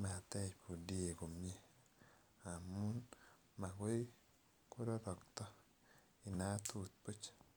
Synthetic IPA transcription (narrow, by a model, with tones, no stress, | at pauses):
ma˨t̪ɛ˦t͡ʃpo˨di˦e˨ko˨mje˦ | a˨mu˦n | ma˨ɡo˦ | ko˦ɾo˦ɾɔ˨kt̪ɔ˦ | ɪ˨na˦t̪u˨t̪̚po˦t͡ʃ